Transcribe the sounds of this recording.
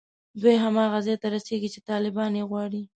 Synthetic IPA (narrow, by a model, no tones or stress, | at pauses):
d̪wejɦamɑɣazet̪aɾaseɡit͡ʃet̪ɑlɪbɑnjeɣwɑɽi